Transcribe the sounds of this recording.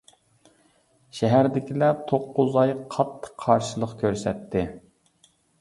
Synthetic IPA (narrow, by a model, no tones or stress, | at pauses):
ʃɛɦæɾd̪ɪkʲʰilɛt̪ʰoqːʊzɑjqʰɑt̪ʰːə̥qʰːɑɾʃɨlˠəqkʲʰøɾsɛt̪ʰːɪ